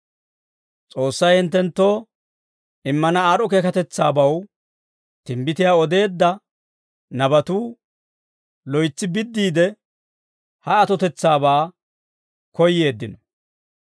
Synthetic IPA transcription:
t͡sʼo̞ːsːɐjhɪnt̪ːɛnt̪ːo̞ː | ɪmːɐnɐaːɾɔkeːkɐt̪ɛt͡sːaːbɐw | t̪ɪmbɪt̪ɪjaːɔd̪e̞ːd̪ːɐ | nɐbɐt̪uː | lɔjt͡sːɪbɪd̪ːiːd̪ɛ | hɐɐt̪ɔt̪ɛt͡sːaːbaː | kɔjːe̞ːd̪ːɪnɔ

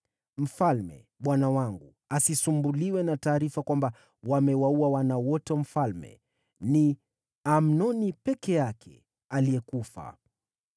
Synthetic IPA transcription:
m̩falmɛ̰ | ɓwanawaŋɡu | asisumbuliwɛnataːɾifakwamba | wamɛwauawanawɔtɛm̩falmɛ̰ | ni | am̩nɔnipɛkɛjakʰɛ̰ | aliɛkufa̰

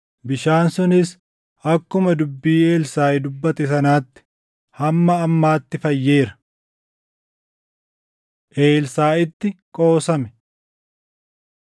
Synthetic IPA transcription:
bɪʃaːnsʊnɪs | ʔɐkːʊmɐd̪ʊbːiːe̞ːlsaːɪd̪ʊbːɐt̪ɛsɐnaːt̪ːɪ̥ | hɐmːɐːmːaːt̪ːɪfɐjːe̞ːɾɐ | ʔeːlsaːɪt̪ːɪkʼo̞ːsɐmɛ̥

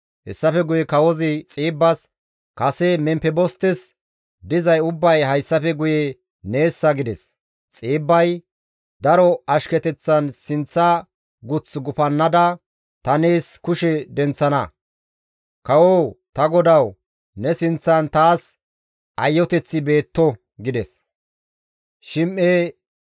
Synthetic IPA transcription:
hɛsːɐfɛɡʊjɛkɐwɔzɪt͡sʼiːbːɐs | kɐsɛmɛmpɛbɔst̪ɛs | d̪ɪzɐjʊbːɐjɦɐjsːɐfɛɡʊjɛ | ne̞ːsːɐɡɪd̪ɛs | t͡sʼiːbːɐj | d̪ɐɾɔɐʃkɛt̪ɛt͡sːɐnsɪnt͡sːɐ | ɡʊt͡sɡʊpɐnːɐd̪ɐ | t̪ɐne̞ːskʊʃɛd̪ɛnt͡sːɐnɐ̰ | kɐwoːt̪ɐɡɔd̪ɐw | nɛsɪnt͡sːɐnt̪aːs | ʔɐjːɔt̪ɛt͡sːɪbe̞ːt̪ːɔ | ɡɪd̪ɛs | ʃɪmʔeː

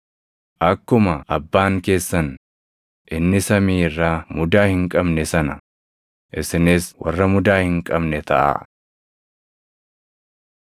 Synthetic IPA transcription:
ʔɐkːʊmɐʔɐbːaːŋke̞ːsːɐn | ʔɪnːɪsɐmiːɪrːaːmʊd̪aːhɪŋkʼɐbnɛsɐnɐ | ʔɪsɪnɪswɐ̰rːɐmʊd̪aːhɪŋkʼɐbnɛt̪ʰɐʔa̰ː

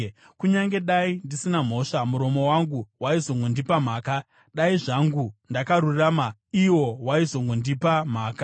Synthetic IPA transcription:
kuɲaŋɡe̞ɗaindisinam̤o̞ʂamuɾo̞mo̞waŋɡuwaizo̞ŋɡo̞ndipam̤aːka | ɗaiʐaŋɡundakaɾuramaiwo̞waizo̞ŋɡo̞ndipam̤aːka

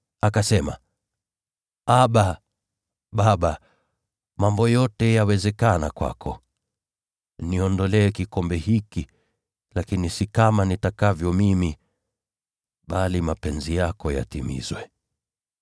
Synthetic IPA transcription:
akasɛma̰ | aɓa | ɓaɓa | mambɔjɔtɛjawɛzɛkanakwa̰kʰɔ | niɔndɔlɛɛkikɔmbɛhiki | lakinisikamanitakavjɔmimi | ɓalimapɛnzijakɔja̰timḭzwɛ

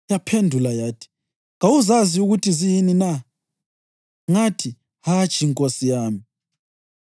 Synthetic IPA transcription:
japʰendʱulajaːtʰi̥ | ŋawuzaziuɣutʰizijinina | ŋatʰi | hḁt͡ʃʼiŋkʼosijaːmi

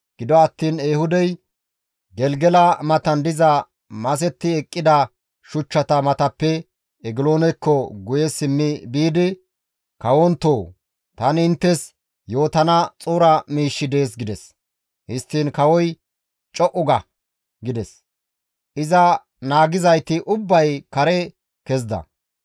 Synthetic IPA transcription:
ɡ̥ɪd̪ɔɐt̪ːiːneːhʊd̪ɛj | ɡɛlɡɛlɐmɐt̪ɐnd̪ɪzɐ | mɐs̬ɛt̪ːɪɛkʼːɪd̪ɐ | ʃʊt͡ʃːɐt̪ɐmɐt̪ɐpːɛ | ɛɡɪlo̞ːnɛkːɔɡʊjɛsɪmːɪbiːd̪ɪ | kɐwɔnt̪ːoː | t̪ɐnɪnt̪ːɛs | jo̞ːt̪ɐnɐt͡sʼuːɾɐmiːʃːɪd̪e̞ːs̬ɡɪd̪ɛs | hɪst̪ːiːnkɐwɔj | t͡ʃʼɔʔʊɡɐ | ɡɪd̪ɛs | ʔɪzɐ | naːɡɪzɐjt̪ɪʔʊbːɐjkɐɾɛ | kɛzd̪ɐ̰

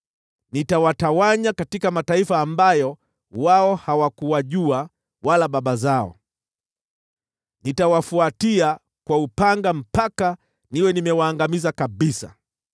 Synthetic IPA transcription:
nitawatawaɲakatikamataifaːmbajɔ | waɔhawakuwaʄua | walaɓaɓazaɔ̰ | nitawafuatia | kwaupaŋɡam̩paka | niwɛnimɛwaːŋɡamizakaɓisa̰

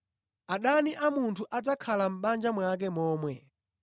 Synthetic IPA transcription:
aɗaniʔamuntʰuʔad͡zakʰalam̩ɓand͡ʒamwak̬ɛmɔːmwɛ

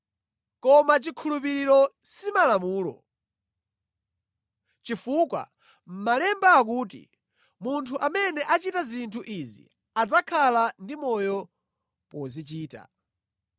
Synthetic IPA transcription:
kɔmat͡ʃikʰulup̬iɾiɾɔ | simalamuːlɔ̰ | t͡ʃifukwa̰ | m̩malɛmbaːk̬uːt̬ḭ | muntʰuʔamɛnɛʔat͡ʃitazintʰuʔizḭ | ad͡zakʰalandimɔjɔ | pɔzit͡ʃiːta̰

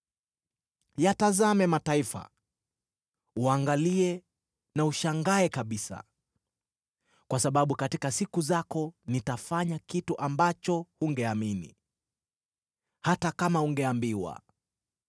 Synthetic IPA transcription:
jatazamɛmataifa̰ | uaŋɡaliɛ | nauʃaŋɡaɛkaɓisa̰ | kwasaɓaɓukatikasikuzakɔnitafaɲakituʔambat͡ʃɔhuŋɡɛaminḭ | hatakamauŋɡɛambiwa̰

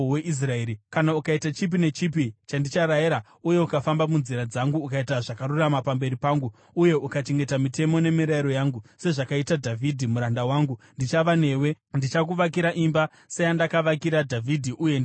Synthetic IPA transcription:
weʔis̬raeɾikanaukaitat͡ʃip̬ine̞t͡ʃip̬it͡ʃandit͡ʃaɾajeɾa | uje̞ukafambamunziɾad͡zaŋɡuːkaitaʐakaɾuramapambe̞ɾipaːŋɡu | uje̞ʔukat͡ʃe̞ŋɡe̞tamite̞mo̞ne̞miɾaiɾo̞jaːŋɡuse̞ʐakaitadʱavʱidʱimuɾandawaːŋɡundit͡ʃaʋane̞we̞ | ndit͡ʃakuʋak̬iɾaʔimba | sejandakaʋakiɾadʱavʱidʱiʔujen

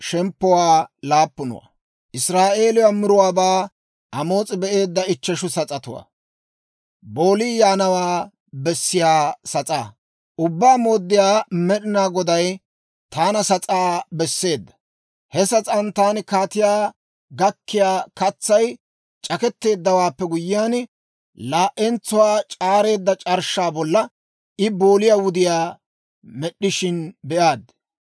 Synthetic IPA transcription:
ʃɛmpːɔwaːlaːpːʊnʊ̰wa̰ | ʔɪsɾaːʔe̞ːlʊwamɪɾʊwaːbaː | ʔɐmo̞ːt͡sʼɪbɛʔe̞ːd̪ːɐɪt͡ʃːɛʃʊsɐt͡sʼɐt̪ʊ̰wa̰ː | bo̞ːliːjaːnɐwaː | bɛsːɪjaːsɐt͡sʼa̰ː | ʔʊbːaːmo̞ːd̪ːɪjaːmɛɗɪnaːɡɔd̪ɐj | t̪aːnɐsɐt͡sʼaːbɛsːe̞ːd̪ːɐ̥ | hɛsɐt͡sʼɐnt̪aːnɪkaːt̪ɪjaː | ɡɐkːɪjaːkɐt͡sːɐj | t͡ʃʼɐkɛt̪ːe̞ːd̪ːɐwaːpːɛɡʊjːɪjaːn | laːʔɛnt͡sːʊwaːt͡ʃʼaːɾe̞ːd̪ːɐt͡ʃʼɐɾʃːaːbɔlːɐ | ʔɪboːlɪjaːwʊd̪ɪjaː | mɛɗːɪʃɪnbɛʔaːd̪

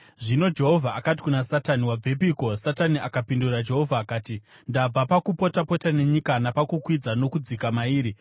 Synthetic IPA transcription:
ʐino̞d͡ʒe̞ɦo̞vʱaakati̥kunasataniwab͡vʱe̞piko̞sataniʔakapindurad͡ʒe̞ɦo̞vʱaːkaːti | ndab͡vapakupo̞tapo̞tane̞ɲikanapakukwid͡zano̞kud͡zikamaiːɾi

